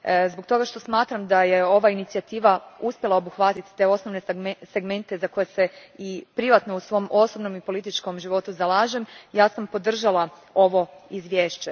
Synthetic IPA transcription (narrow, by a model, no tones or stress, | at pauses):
zbo̞ɡ̚t̪o̞ɡaʃt̪o̞smaːt̪ɾamd̪aje̞o̞ʋainit̪siat̪iːʋauspjelˠaobuxʋat̪it̪t̪e̞o̞sno̞ʋnese̞ɡme̞nt̪e̞zako̞jese̞ipɾiʋat̪no̞usʋo̞mʔo̞so̞bno̞mipo̞lit̪it͡ʃko̞mʒiʋo̞t̪uzalˠaːʒemjaːsampo̞d̪r̩ʒalˠa | o̞ʋo̞izʋje̞ːʃt͡ɕe